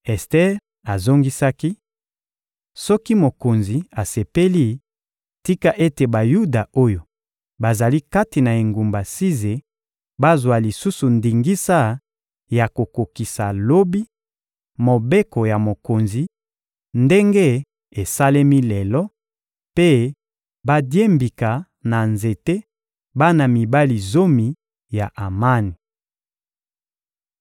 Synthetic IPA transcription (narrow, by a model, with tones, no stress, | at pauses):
ɛ˨stɛ˦ | a˨zo˦ŋɡi˦sa˦ki˦ | sɔ˦ki˦mo˨ko˨nzi˨a˨se˨pe˦li˦ | ti˦ka˦ʔe˦te˨ba˨ju˦da˨o˦jo˨ | ba˨za˨li˦ka˦ti˨na˨e˨ŋɡu˨mba˨si˦ze˨ | ba˦zwa˨li˨su˦su˨ndi˨ŋɡi˦sa˦ | ja˨ko˨ko˨ki˨sa˨lo˦bi˦ | mo˨be˦ko˨ja˨mo˨ko˨nzi˨ | nde˦ŋɡe˦ | e˨sa˦le˦mi˦lɛ˨lɔ˦ | pe˦ | ba˦dje˦mbi˨ka˨ | na˨nze˨te˦ | ba˦na˨mi˨ba˦li˨zo˦mi˨ | ja˨ʔa˨ma˦ni˨